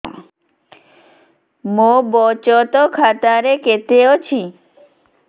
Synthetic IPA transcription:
mobɔt͡ɕɔt̪ɔkʰat̪aɾeket̪eot͡ɕʰi

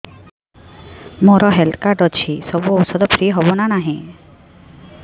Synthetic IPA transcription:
moɾɔɦɛlt̪ʰkaɾɖɔt͡ʃʰisɔbuɔwsɔd̪ɔpɾiɦɔbɔnanaɦĩ

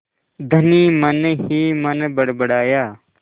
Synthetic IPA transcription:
d̪ʱəniːmənɦiːmənbəɽbəɽaːjaː

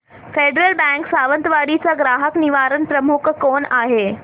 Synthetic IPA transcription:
feɖɾəlbɛ̃ŋksaʋənt̪ʋaɽit͡saɡɾaɦəkniʋaɾənpɾəmukʰkoɳaɦe

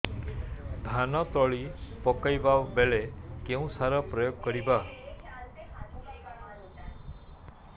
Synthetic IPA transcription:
d̪ʱanɔt̪ɔɭipɔkajbabeɭekeũsaɾɔpɾɔjoɡkɔɾiba

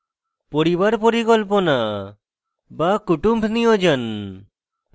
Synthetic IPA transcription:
pɔɾibaɾpɔɾikɔlp̬ɔnaʔ | bakuʈumbʱniɔd͡ʒən

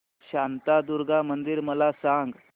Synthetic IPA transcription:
ɕant̪ad̪uɾɡamənd̪iːɾməlasaŋɡ

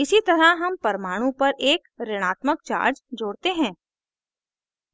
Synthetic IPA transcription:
ɪsit̪ɐɾaɦɐmpɐɾmaːɽ̃ũpɐɾʔeːkɾɪɽ̃aːt̪mək̚t͡ʃa̰ːɾd͡ʒd͡ʒoːɽt̪eɦɛ̃ː

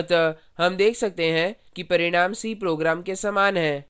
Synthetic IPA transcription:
t̪ə | ɦɐmd̪eːkʰsɐk̚t̪eɦɛ̃kipɐɾɪɽ̃aːmsiːpɾoːɡɾaːmkesaːmaːnɦɛ̃ː

